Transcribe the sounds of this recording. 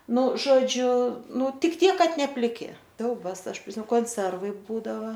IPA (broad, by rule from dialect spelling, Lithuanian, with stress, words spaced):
ˈnʊ ʒoːˈd͡ʒʲʊ ˈnʊ ˈtʲɪk ˈtʲiɛk ˈkɐt nʲɛ pʲlʲɪˈkʲɪ ˈsʲɛʊbɐs ˈɐʃ pʲrʲɪˈsʲɪ koːnʲˈsʲɛrʋɐɪ ˈbuːdɐʋɐ